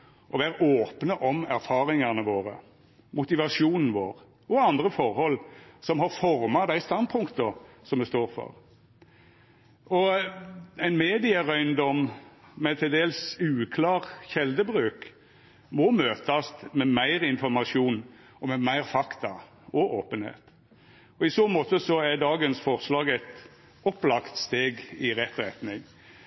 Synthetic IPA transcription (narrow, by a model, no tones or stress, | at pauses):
ʔɔʋæːɾəʔoːpnəʔɔmæɾfɑːɾɪŋɑnəʋoːʁə̰ | mʊt̪ɪʋɑʂuːnn̩ʋo̰ːʁ | ɔɑnd̪ʁəfɔɾhɔlːsɔmɦɑɾfɔɾmɑd̪æɪst̪ɑnpʰʊŋkt̪əsɔmd̪ɛst̪oːɾfɔ̰ɾ | ɔ | æɪnmeːd̪ɪəɾœʏnd̪ɔmmɛt̪ʰɪld̪eːlsʉːkʰlɑːʁçɛld̪əbʁʉːk | mɔmøːt̪ɑsmɛmæɪʁɪnfɔɾmɑʃjuːn | ɔmɛmæɪʁfɑkt̪ɑ | ɔoːpənhḛːt̪ | ɔɪsoːmɔt̪əsɔæd̪ɑːɡənsfɔʁslɑːɡɛɪt̪ | ɔplɑkt̪st̪eːɡɪʁɛt̪ːɾɛt̪nɪŋ